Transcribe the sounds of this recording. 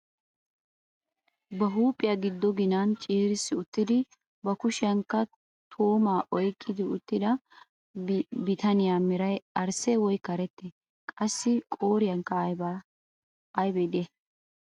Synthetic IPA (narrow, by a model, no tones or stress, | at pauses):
bɐɦuːpʼːɪjɐɡɪd̪ːɔɡɪnant͡ʃʼiːɾɪsːɪʊt̪ːɪd̪ɪ | bɐkʊʃɪɐŋkːɐ | t̪ʰo̞ːmaːʔɔjkʼːɪd̪ɪʊt̪ːɪd̪ɐ | bɪt̪ɐnɪjaːmɪɾɐjɐɾsɛwɔjkɐɾɛt̪ːɛ | kʼɐsːɪkʼoːɾɪjɐŋkːɐ | ɐjbɛd̪ɪɛ